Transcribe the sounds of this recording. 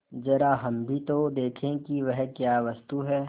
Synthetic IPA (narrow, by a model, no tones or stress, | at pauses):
d͡ʒɐɾaɦɐmbʱit̪od̪eːkʰẽkiʋɛɦkjaːʋɐst̪uɦɛː